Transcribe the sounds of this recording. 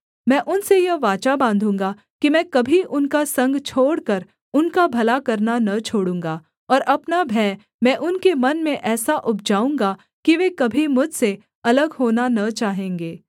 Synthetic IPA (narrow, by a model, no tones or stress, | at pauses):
mɛ̃ːʔʊnsejɐʋaːt͡ʃabãːnd̪ʱũːŋɡa | kimɛ̃ːkɐbʱiʔʊnkasɐ̃ŋɡt͡ʃʰoːɽkəɾ | ʊnkabʱɐlakɐɾnanɐt͡ʃʰoːɽũːŋɡaː | ɔːɾʔɐpnabʱɛ̃ː | mɛ̃ʔʊnkemɐnmẽʔɛːsaʔʊp̚d͡ʒaːũːŋɡa | kiʋekɐbʱimʊd͡ʒʱse | ɐləɡɦoːnanɐt͡ʃaːɦẽːŋɡeː